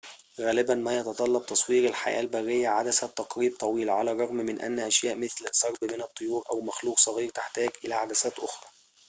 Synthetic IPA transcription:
ɣæːlɪbænmæjɑt̪ɑt̪ˤɑlːɑb̚t̪ɑsˤwiːɾɪlħa̰jʔæ̰ːlbærːɪjːæʕad̪æsæt̪ːɑqɾiːb̚t̪ˤɑwiːlʕalærˤɑɣmmɪnʔæ̰nːʔæʃjæːʔmɪθlsˤɑɾˤbmɪnɨt̪ˤːojuːɾʔæwmæxluːqsˤɑɣiːɾt̪ɪħt̪æːɡʔɪlæʕad̪æsæːt̪ʔoxɾˤɑː

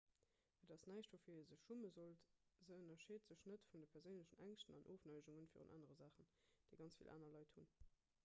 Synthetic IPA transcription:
ədɑsnæɪʃtvoːfiːezəʃuməzoltzəənɐʃeːtz̥əɕnətfundəpʰɛʁzəʊnləɕənæŋʃtənɑnʔoːfnɑɪʒuŋənfiːʁṵnʔa̰ːnəʁəzaːχənd̥əɪɡɑnt͡sfḭlʔa̰ːnɐlɑɪthun

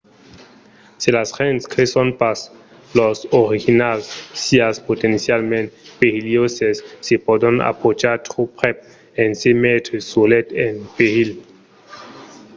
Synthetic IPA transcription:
silasʁentskɾesonpas | losoɾixinalsːiaspot̪ensjalmẽnt̪pehiljosesːepod̪ona̰pot͡ʃaɾt̪ɾupʁep̚ | ensemet̪ɾesulet̪enpeʁil

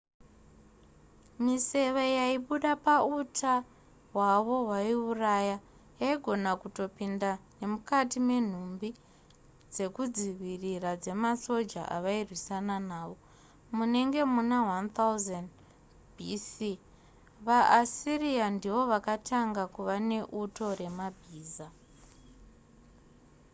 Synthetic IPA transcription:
mise̞ʋejaiɓuɗapautʰa | ɦwaʋo̞ɦwaiuraja | jaiɡʱo̞nakuto̞pindane̞mukatime̞n̤umbi | d͡ze̞kud͡ziʋirirad͡ze̞maso̞d͡ʒa̰ʔa̰ʋairwisananaːʋo̞ | mune̞ŋɡe̞munawant̪auzan | bʱisi | ʋaʔasiriandiʋo̞ʋakataŋɡakuʋane̞ʔuto̞ɾe̞mabʱiːza

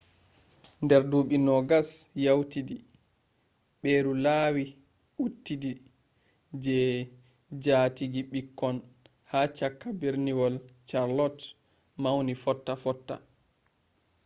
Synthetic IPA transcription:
ndɛɾduːɓinɔɡasjawtidi | ɓeːɾulaːwi | ʔutːidi | d͡ʒɛ | d͡ʒatiɡiɓikːɔn | hat͡ʃakːabeɾniwɔlt͡ʃaɾlɔt | mawnifɔtːafɔtːa̰

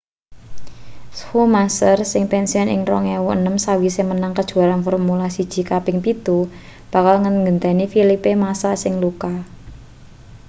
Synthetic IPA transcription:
shumasərsɪŋpɛnsiɔnɪ̰ŋrɔŋewuənəmsawisemənaŋkəd̥ʒ̥ṳaɾanfɔrmulasid̥ʒ̥i̤kapɪŋpit̪u | b̥a̤kalŋəŋɡənt̪anifilipemasasɪŋluka

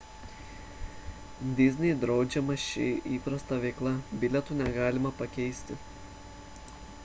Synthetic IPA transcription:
d̪ʲɪzʲnʲɛjd̪ɾɒʊd͡ʒʲɛmɐʃʲɪ̰ʔiːpɾɐst̪ɐʋʲɛɪklˠɐbʲɪlʲɛt̪uːnʲɛɡɑːlʲɪmɐpɐkʲɛɪsʲt̪ʲɪ

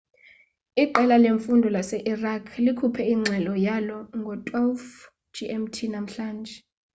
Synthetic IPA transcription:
iǃɛlaleɱfundʱɔlasɛʔirakʰlikʰupʰɛiŋ͡ǀʱɛlɔjalɔŋɡʱɔtʼwalf | d͡ʒʱiʔɛmtʰinam̩ɬaːnd͡ʒʱɛ

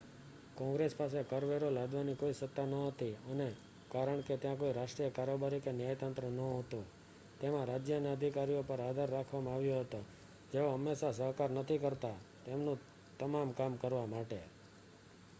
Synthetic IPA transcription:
kɔ̃ŋɡɾespasekəɾʋeɾolad̪ʋanikoisət̪ːanəɦət̪iəne | kaɾəɳ̃ket̪jãkoiɾaʃʈɾijəkaɾobaɾikenjajt̪ãnt̪ɾənəɦət̪ũ | t̪emãɾad͡ʒjəneəd̪ʱikaɾijopəɾad̪ʱaɾːakʰʋamãaʋjoɦət̪o | d͡ʒeoɦəmːeʃasəɦkaɾnət̪ʰikəɾt̪at̪emnũ | t̪əmamkamkəɾʋamaʈe

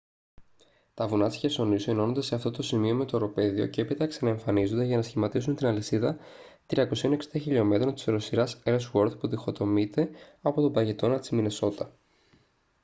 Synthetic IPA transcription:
t̪ɐvunɐsi̥çeso̞niseno̞nond̪e̞se̞ɐft̪o̞t̪o̞simio̞me̞t̪o̞ɾo̞pe̞ðio̞̰ceepit̪ɐksɐnɐe̞ɱfɐnizo̞nd̪eʝɐnɐsçimɐt̪isunt̪inɐlisiðɐ | t̪ɾiɐko̞sio̞ne̞ksid̪ɐçiʎo̞me̞t̪ɾo̞nt̪i̥sɾo̞siɾɐseɾswo̞ɾd̪puðixo̞t̪o̞mit̪e̞ɐpo̞t̪o̞bɐʝe̞t̪o̞nɐt̪i̥zmineso̞t̪ɐ

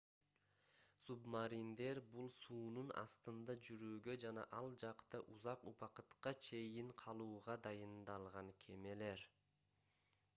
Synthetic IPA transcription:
submaɾind̪e̞ɾbulˠsuːnunɑ̰st̪ɯnd̪ɑd͡ʒyɾyːɡø̞d͡ʒɑnɑ̰ʔɑlˠd͡ʒɑqt̪ɑʔuzɑquβɑqɯt̪qɑt͡ʃʰe̞jiɴqʰɑlˠuːʁɑd̪ɑjɯnd̪ɑlˠʁɑŋkʰe̞me̞le̞ɾ

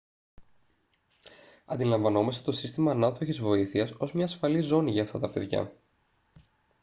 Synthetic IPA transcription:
ɐnd̪ilɐɱvɐno̞mɐst̪e̞t̪o̞sist̪imɐːnɐðoçizvo̞iθiɐso̞zmɲɐːsfɐlizo̞niʝɐːft̪ɐt̪ɐpe̞ðʝɐ̰

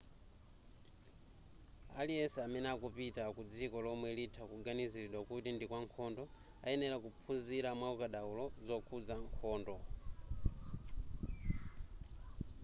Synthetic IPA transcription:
alijɛsɛamɛnɛakupitakud͡zikɔlɔmwɛlitʰakuɡaniziɾiɗwakutindikwaŋkʰɔndɔ | aɛnɛɾakupʰunziɾamwaukaɗaulɔzɔkʰud͡zaŋkʰɔːndɔ

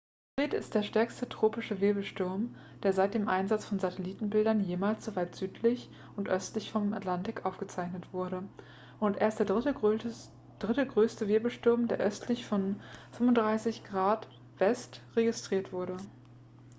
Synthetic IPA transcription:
fʁ̥iːtɪ̰st̚d̥eːɐʃtɛɐkstətʁ̥oːpɪʃəvɪɐbl̩ʃtʊɐm | d̥eːɐzaɪt̚d̥eːmʔaɪnzat͡sfɔnzatʰɛliːtn̩bɪldɐnjeːmaːlsz̥ovaɪtz̥yːtʰlɪç | ʊntʔœstlɪçfɔma̰tlantɪkʔaʊfɡ̥ət͡saɪçnətv̥ʊɐɾə | ʔʊntʔeːɐstd̥eːɐ | d̥ʁɪtəɡʁøːstəvɪɐbl̩ʃtʊɐmdeːɐʔœstʰlɪçfɔnfʏmʊnd̥ʁaɪsɪçɡ̥ʁaːt | v̥ɛstʁeɡɪstʁ̥iːɐtv̥ʊɐɾə

